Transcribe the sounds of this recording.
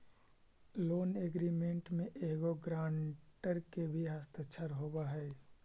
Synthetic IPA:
loːneːɡɾiːmẽɳʈmẽʔeːɡoɡɾaːɳʈəɾkebʱiɦast̪et͡ʃʰəɾɦoːbaɦɛː

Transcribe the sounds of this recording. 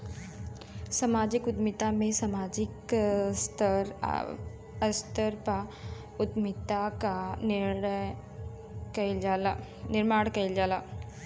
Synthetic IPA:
səmaːd͡ʒikʊd̪mit̪amẽsamaːd͡ʒikst̪əɾ | əst̪əɾpa | ʊd̪mit̪aka | kɐd͡ʒa | nɪɾmaːɽkɐjld͡ʒaːla

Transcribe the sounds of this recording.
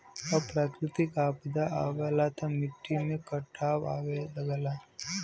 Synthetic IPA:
ɐpɾaːkɾɪt̪ikaːpd̪aʔaʋɐlat̪amɪʈːimẽkɐʈʰːaːʋa̰ːʋelɐɡəla

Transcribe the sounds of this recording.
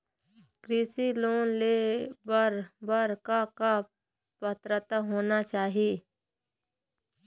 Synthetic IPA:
kɾɪsiloːnleːbəɾbəɾkaka | pət̪ɾət̪aɦoːnat͡ʃaːɦieː

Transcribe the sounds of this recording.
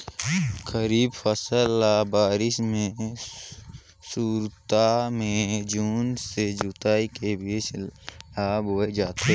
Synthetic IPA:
kəɾiːbfəsəlːabaːɾɪsmẽ | suːɾt̪amẽd͡ʒuːnsed͡ʒʊt̪aːikebit͡ʃlaːboːed͡ʒaːt̪e

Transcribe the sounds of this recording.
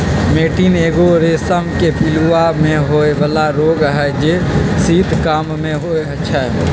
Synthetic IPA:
meːʈineɡoɾesəmkepiluamẽɦoebəlaɾoɡɦɛd͡ʒesid̪ʱkəmmeɦoeətːʃʰa̰

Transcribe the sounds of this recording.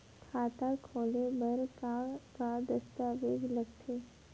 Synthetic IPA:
kʰaːt̪akʰoːlebɐɾkakad̪ɐst̪aʋeːɡlɐɡt̪ʰeː

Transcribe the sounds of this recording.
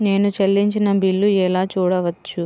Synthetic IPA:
ne̞ːnut͡ʃɐlːiɲt͡ʃinɐbilːuɛlaːt͡ʃuːɽɐʋɐt͡ʃːu

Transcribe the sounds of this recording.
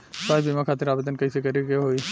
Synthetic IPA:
kaːibimãkʰaːt̪ɪɾaːbed̪ənkɐisekɐɾikeɦoi

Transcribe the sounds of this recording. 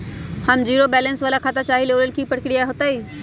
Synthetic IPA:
hɐmd͡ʑiːɾobɛːlə̃nsʋaːlakʰaːt̪at͡ɕaːɦiloːɾəlkʰiːpɐɽɪkɪɽiaːeɦʊt̪aiː

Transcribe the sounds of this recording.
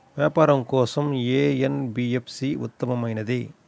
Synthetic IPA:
ʋjaːpaːɾɐmkɔːsɐmeːenbiepsiṵt̪ːɐmɐmɐjnɐd̪i

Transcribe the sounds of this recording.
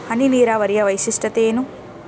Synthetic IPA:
hɐniniːɾaːʋɐɾijɐʋɐjsiʂʈɐt̪eːnu

